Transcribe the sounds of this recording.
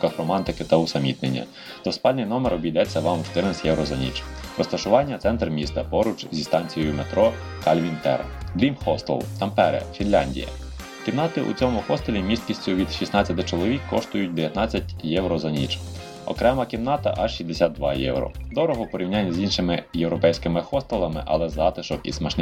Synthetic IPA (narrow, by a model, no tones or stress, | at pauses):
kɐxɾɔmɑnt̪ɪkɪt̪ɐʊsɐmʲit̪nenʲːɐ̰ | d̪̥ɔspɑlʲnɪjnɔmeɾɔbʲijd̪ɛt͡sʲːɐʋɑmʃt̪ɪrnɪsʲjɛwɾʔɔzɐnʲḭt͡ʃɾɔst̪ɐʃʊʋɑnʲːɐt̪sɛnt̪rmʲist̪ɐpɔɾʊt͡ʃzʲist̪ɑnʲt͡sʲijɔjʊmet̪ɾɔ | kɐlʲʋʲint̪ɛ̰ɾɐ̰d̪ɾʲimxɔst̪ɛ̰lˠt̪ɐmpɛɾɛ̰fʲinlʲanʲdʲḭjɐ̰ | kʲimnɑt̪ɪʔṵt͡sʲɔmʊxɔst̪ɐlʲimʲist̪̚kʲisʲtʲʊʋʲid̪ʃisnɑt͡sʲɐt̪ɪt͡ʃɔlˠɔʋʲikːɔʃt̪ʊjʊt̚ʲd̪eʋjɐt̪nɑt͡sʲːɐtʲjɛwɾɔzɐnʲit͡ʃ | ɔ̰kɾɛmɐkʲimnɑt̪ɐ̰ʔɐʃʃizd̪esʲat̪̚d̪ʋɑjɛ̰wɾɔ̰d̪ɔɾɔɦɔpɔɾʲiwnʲanʲːɐzʲinʃɪmɪjewɾɔpɛjsʲkɪmɪxɔst̪ɐlˠɐmɪ̰ʔɐ̰lˠɛzɑt̪ɪʃɔkḭsmɛʃn